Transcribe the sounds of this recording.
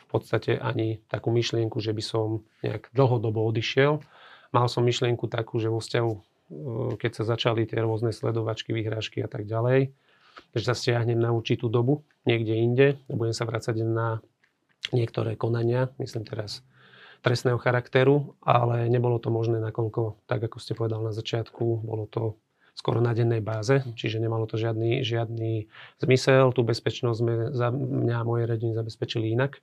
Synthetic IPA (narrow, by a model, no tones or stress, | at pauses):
fpɔt̪st̪acɛʔa̰ɲit̪akuːmiʃlɪɛŋkuʒɛbisɔmɲɛ̰a̰ɡd̪l̩ˠɦɔd̪ɔbɔɔd̪iʃɪɛlmalsɔmːiʃlɪɛŋkut̪akuːʒɛʋɔfscaɦu | kɛcsazat͡ʃalit̪ɪɛɾʊɔznɛslɛ̰d̪ɔʋat͡ʃkiʋiɦɾaːʃkia̰t̪aɡɟalɛj | ʒɛsascɪaɦɲɛmnauɾt͡ʃit̪uːd̪ɔbu | ɲɪɛɡɟɛiɲɟɛbuɟɛmsaʋɾat͡saɟna | ɲɪɛkt̪ɔɾɛːkɔnaɲɪamisliːmt̪ɛɾas | t̪ɾɛst̪nɛːɦɔxaɾakt̪ɛɾuʔa̰lɛɲɛbɔlɔt̪ɔmɔʒnɛːnakɔʎkɔt̪aɡakɔscɛpɔʋɛd̪alnazat͡ʃɪat̪kubɔ̰lɔt̪ɔ | skwʊɔ̰ɾnaɟɛnːɛjbaːzɛt͡ʃiʒɛɲɛmalɔt̪ɔʒɪad̪niʒɪad̪niz̥misɛlt̪uːbɛspɛt͡ʃnɔzzmɛzamɲamɔjɛɾɛɟinizabɛspɛt͡ʃiliinak